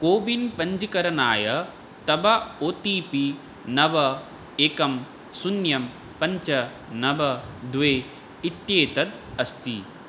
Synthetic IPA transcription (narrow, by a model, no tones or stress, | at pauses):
koːbinpɐɲd͡ʒikɐɾɐnaːjɐ | t̪ɐbɐoːt̪iːpi | nɐʋɐ | eːkɐm | sunjɐm | pɐɲt͡ʃɐ | nɐʋɐd̪ʋeː | it̪jeːt̪ɐt̪̚ | ɐst̪i